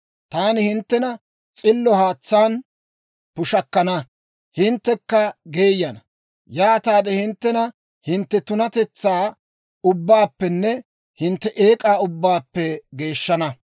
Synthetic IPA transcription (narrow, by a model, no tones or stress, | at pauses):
t̪aːnɪhɪnt̪ːɛnɐ | t͡sʼɪlːɔhaːt͡sːaːn | pʊʃɐkːɐnɐ | hɪnt̪ːɛkːɐɡe̞ːjɐnɐ | jaːt̪aːd̪ɛhɪnt̪ːɛnɐ | hɪnt̪ːɛt̪ʊnɐt̪ɛt͡sːaː | ʊbːaːpːɛnːɛ | hɪnt̪ːɛʔeːkʼaːʊbːaːpːɛɡe̞ːʃːɐnɐ